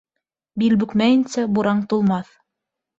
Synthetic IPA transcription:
bilbɵ̆kmæɘ̆nsæbuɾɑɴt̪ulˠmɑθ

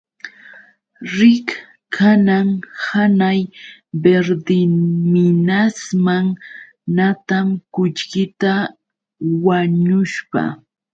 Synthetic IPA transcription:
ɾɪk | kʰanaŋhanajbeɾd̪ɪmɪnasmaŋ | nat̪amkʊt͡ʃkɪt̪a | waɲʊʃpa̰

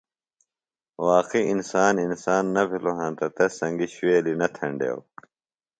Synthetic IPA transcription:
waːqiinsaːninsaːnːɐbʱiloɦɐ̃nt̪ɐt̪ɐsɐ̃ŋɡiɕeːlinɐt̪ʰɐ̃ɳɖḛw

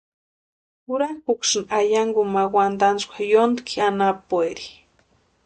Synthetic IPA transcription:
uɾaŋkukʃnajaŋɡumawand̪anskʷajond̪kʰianapueɾi̥

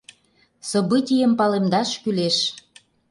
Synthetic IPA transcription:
sə̆bɯtʲijəmpɑlemd̪ɑʃkyleʃ

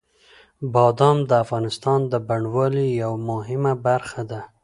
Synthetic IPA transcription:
bɑd̪ɑmd̪əafɣɑnɪst̪ɑnd̪əbaɳɖwɑlijawmʊɦɪmabaɾxad̪a

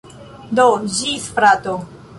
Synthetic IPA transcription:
d̪od͡ʒisfɾat̪o

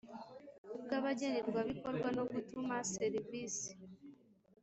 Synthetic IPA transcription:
ubɡaβaɟeneɾɡwaβiko̞ɾɡwano̞ɡutumaseɾivisi̥

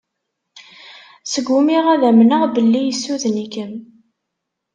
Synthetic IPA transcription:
səɡʷːumiʁæðæmnəʁbəlːijəsːuðnikəm

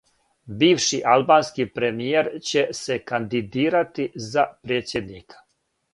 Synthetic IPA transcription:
biːʋʃiʔalbaːnskipɾemijeɾt͡ɕe̞se̞kand̪id̪iːɾat̪izapɾeːt̪sʲjed̪niːkḁ

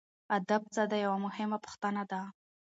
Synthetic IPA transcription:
ad̪ab̚t͡sad̪ajawamʊhɪmapʊ̥xt̪anad̪a

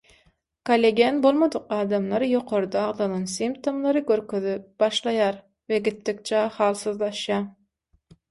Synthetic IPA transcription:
kolʲeɡʲenbolˠmɑd̪ʊqɑːd̪ɑmlˠɑɾjoqʰoɾd̪ɑːʁd̪ɑnˠɑnsimpt̪ʰomlˠɑɾɯkʲøɾkøðyp̚b̥ɑʃlˠɑjɑɾ | veɡʲit̪ːɪk̚t͡ʃʰɑχɑːlˠsɨðlˠɑʃjɑ

